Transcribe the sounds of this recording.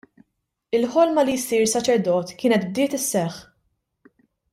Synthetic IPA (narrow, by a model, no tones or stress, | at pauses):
ɪlħɔlmɐlijsiːɾsɐt͡ʃɛɾd̪ɔːt̪kɪːnɛt̪b̚d̪ɪːt̪ɪsːɛħː